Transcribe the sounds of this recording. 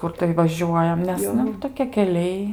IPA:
ˈkʊr tɐɪ ʋɐˈʒʲuɔjɛm nʲɛs ˈnʊ toːˈkʲiɛ kʲɛˈlʲɛɪ

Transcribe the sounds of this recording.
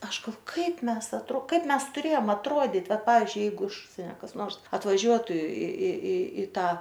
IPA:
ˈɐʃ ɡɐlˠˈʋoː ˈkɐɪp ˈmʲɛs ɐtˈroː ˈkɐɪp ˈmʲɛs tʊˈrʲeːjoːm ɐtˈruɔdʲiːtʲ ˈʋɐt ˈpɑːʋʲɪzʲd͡ʒʲʊɪ ˈjɛɪɡʊ ɪʃ ˈʊʃʲsʲiɛnʲɛ kɐs ˈnoːrs ɐtʋɐˈʒʲuɔtʊ ɪ ɪ ɪ ɪ ˈtɑː

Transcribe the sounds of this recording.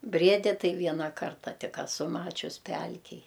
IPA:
ˈbʲrʲiɛdʲɪ ˈtɐɪ ˈʋʲiɛnɐ ˈkɐrtɐ ˈtʲɪk ɐˈsʊ ˈmɑːt͡ʃʲʊs ˈpʲɛlʲkʲeːj

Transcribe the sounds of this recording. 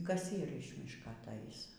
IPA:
ˈkɐs ˈiːr ɪʃ ˈmʲɪʃkɐ ɐtˈɐɪs

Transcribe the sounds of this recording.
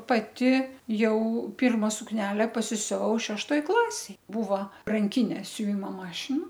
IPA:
pɐˈtʲɪ ˈjɛʊ ˈpʲɪrmɐ sʊkˈnʲæːlʲɛ pɐsʲɪsʲʊˈʋɐʊ ʃʲɛʃˈtoːj ˈklˠɑːsʲeːj ˈbuːʋoː rɐŋʲˈkʲɪnʲeː sʲʊˈʋʲɪmoː ˈmɑːʃʲɪnɐ

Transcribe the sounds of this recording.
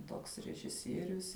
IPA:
ˈtoːks rʲɛʒʲɪˈsʲiɛrʲʊs

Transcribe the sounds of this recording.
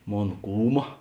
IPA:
ˈmoːn ˈkuːmɐ

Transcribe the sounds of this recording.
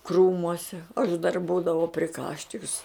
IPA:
ˈkruːmuɔsʲɛ ɐʃ dɐr ˈbuːdɐʋɐʊ pʲrʲɪˈkɑːʃʲt͡ʃʲɪks

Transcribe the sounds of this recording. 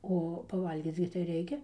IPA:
ˈoː pɐˈʋɐlʲɡʲiːt͡s ɡʲɪ tɐɪ ˈrʲɛɪkʲɛ

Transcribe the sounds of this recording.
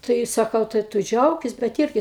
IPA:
ˈtɐɪ sɐˈkɐʊ tɐɪ ˈtʊ ˈd͡ʒʲɛʊkʲɪs bʲɛt ˈɪrʲɡʲɪ

